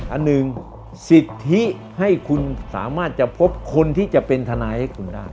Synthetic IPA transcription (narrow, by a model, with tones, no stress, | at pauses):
ʔa˧nːɯ˨ŋ | si˨˩t̪ʰːi˦˥ | ha˥˩jkʰu˧nsa̰ː˩˦maː˥˩t̪̚t͡ɕa˨˩pʰo˦˥p̚kʰo˧nt̪ʰiː˥˩t͡ɕa˨˩ʔpe˧nt̪ʰa˧naː˧jha˥˩jkʰu˧ndaː˥˩j